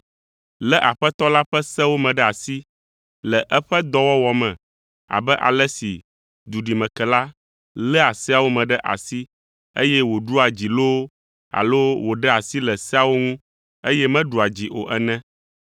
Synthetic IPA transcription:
lɛ˦ʔa˨ɸɛ˦t̪ɔ˦la˦ɸɛ˦sɛ˦wo˦mɛ̃˨ɖɛ˦a˨si˦ | lɛ˨ʔɛ˦ɸɛ˦d̪ɔ˦wɔ˦wɔ˨mɛ̃˨ | a̰˨bɛ˦ʔa̰˨lɛ˦sḭ˨ | d̪u˨ɖi˨mɛ̃˨kɛ˨la˦ | lɛ˦a˨si˦a˨wo˦mɛ̃˨ɖɛ˦ʔa̰˨si˦ | ḛ˦jɛ˦wo˨ɖu˦a˨d͡ʑi˨lo˦ | a̰˨lo˦wo˨ɖɛ˦a˨si˦lɛ˨sɛ˦a˦˨wo˦ŋũ˦ | e˦jɛ˦mɛ̃˦ɖu˨a˨d͡ʑi˨ʔo̰˨ʔɛ˦nɛ̃˦

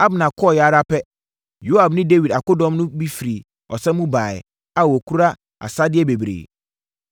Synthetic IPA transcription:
a˦bnã˨kʰɔ˦˨jɛ˨a˦ɾa˦pɛ˦ | jo˦a˨bnɪ̃˦de˦wi˨da˨kʊ˦dɔ̃˦mnʊ̃˦bi˦fi˨ɾi˨ | ɔ˨sɛ̃˦mũ˦baː˨ɪ̰˨ | a˦wɔ˨kʰu˦ɾa˦ | a̰˨sa˦dɪ˦ɛ˦be˨bɾḛː˨

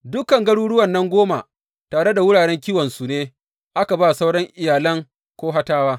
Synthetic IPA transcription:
dʊ˦kɐ˨ŋɡɐ˦ɽuː˦ɽʊ˦wɐ˨nːɐ˦ŋɡʷoː˦ma˨ | taː˨ɽe˦da˨wʊ˦ɽaː˨ɽɛ˦ŋk̬ʲiː˦wɐ˨nsu˨neː˦ | ʔa˦ka˨baː˦sa˦wɽɔ˦ŋʔɪ˨jaː˨lɐ˦ŋ | kʷoː˦ɦa˦taː˦waː˦

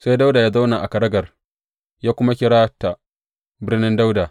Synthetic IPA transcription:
sa˦jda˦wda˨jaː˦za˦wna˨ʔa˨kɐ˨ɽɐ˦ɡɐ˨r | jaː˦kʷʊ˦ma˦kʲɪ˦ɽaː˦ta˨ | bɪ˦rnɪ˦nda˦wda˨

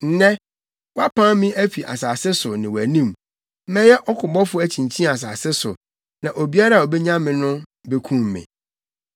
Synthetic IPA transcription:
n̩˨˦nɛ̃˦ | wa˦pʰã˦mɪ̃˦ʔæ˦fi˨ʔa̰˨saː˨sɪ˦sʊ˨nɪ̃˨wæ˨nĩ˦˨m̩˦ | mɛ̃˦jɛ˦ʔɔ˦kʰʊ˨bɔ˦fʊ˦æ˨t͡ɕʰĩ˨ɲ˨t͡ɕʰĩ˦˨a˨s̬aː˨sɪ˦sʊ̰˨ | nã˨ʔo˨bi˦a˦ɾa˦˨o˨bɛ˦ɲã˦mɪ̃˨nʊ̃˦be˦kʰũ˦mː˨ɪ̰̃˨

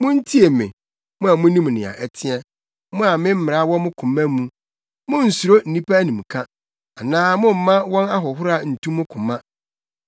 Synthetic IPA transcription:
mʊ̃˦n̩˦tʰi˦e˨mɪ̰̃˨ | mʊ̃˦a˨mʊ̃˦nĩ˦m˨nɪ̃˨a̰˨ʔɛ˨tʰɪ˦ɛ˦ | mʊ̃˦a˨mɪ̃˦m̩˦mɪ˨ɾa˨˦wɔ̃˦mʊ̃˦kʰʊ̃˨mæ̃˦mũ˦ | mʊ̃˦n̩˨su˨ɾo˦n̩˨nĩ˦pʰa˦nĩ˨m˨kʰã˦ | a˨nãː˦mʊ̃˦m̩˨mã˦wɔ̃˦na˦ɦɔ˨ɦʊ˦ɾa˨n̩˨tʰũ˦mʊ̃˦kʰʊ̃˨mã˦

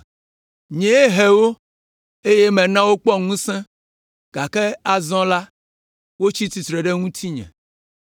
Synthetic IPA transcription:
ɲɛ̃˨e˦ɦe˨wo˦ | e˦je˦mɛ̃˨nã˦wo˦k͡pɔ˦ŋũ˦sɛ̃˦ | ɡ̥a˨kɛ˦a˨zɔ̃˦la˦ | wo˦t͡ɕi˦t̪i˨t̪ɾɛ˨ɖe˦ŋũ˦t̪ʰi˦ɲɛ̰̃˨

